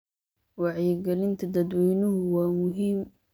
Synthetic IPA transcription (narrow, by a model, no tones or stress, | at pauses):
wɑʕjɪɡɐlɪnt̪ʰɐd̪ɐd̪wɛjnʊɦʊwaːmʊɦiːm